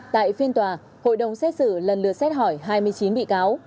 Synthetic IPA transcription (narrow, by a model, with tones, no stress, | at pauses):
t̪a̰ː˧˨jfi˧ənt̪waː˨˩ | ho̰˧˨jɗə˨˩wŋ͡msɛ˦˥t̚sɨ̰˧˩lə˨˩nlɨ̰˨əsɛ˦˥t̚hɔ˧˩jɦaː˧jmɨ˧əjt͡ɕi˨˦nɓḭ˧˨kaː˨˦w